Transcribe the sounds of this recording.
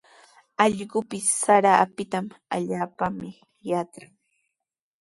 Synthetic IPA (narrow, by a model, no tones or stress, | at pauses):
ɑʎɢʊpɪsːaɾaːpɪt̪amaʎaːpamɪ | jatɾaŋ